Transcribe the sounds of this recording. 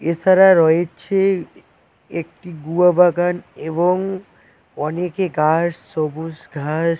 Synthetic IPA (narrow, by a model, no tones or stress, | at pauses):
et͡ʃʰaɾaɾɔet͡ɕʰe | ek̚ʈiɡuabaɡaneβoŋ | ɔnekeɡaʃsobuʃɡʱaʃ